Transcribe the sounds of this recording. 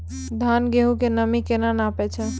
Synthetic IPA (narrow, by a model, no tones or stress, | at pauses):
d̪ʱanɡeɦukenəmikenanapɛt͡ʃʰɛ